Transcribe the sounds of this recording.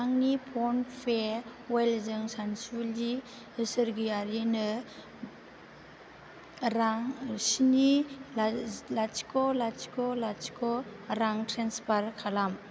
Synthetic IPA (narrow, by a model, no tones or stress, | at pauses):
aŋnipʰɔnpʰeɾwelzɯŋsansuli | ɯsɯɾɡiaɾinɯ | ɾaŋsinillat͡ʃi̥kɔlat͡ʃi̥kɔlat͡ʃi̥kɔɾaŋtɾenspaɾkʰalam